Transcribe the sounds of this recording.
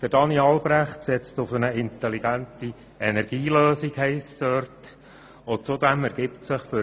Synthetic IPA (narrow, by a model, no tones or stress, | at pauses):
d̥əd̥ɑniɑlbɾæχtsɛt͡stʊfənəɪnt̪ɛliɡænti | ɛnɛɾɡ̥iːløːsikhɛɪsdøɾt | ʊt͡sʊd̪æmæɾɡ̥ɪptsɪχfʏ